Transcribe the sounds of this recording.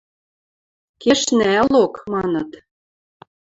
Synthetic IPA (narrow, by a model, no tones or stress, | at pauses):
keʃnɘælokmɑnɤ̆t̪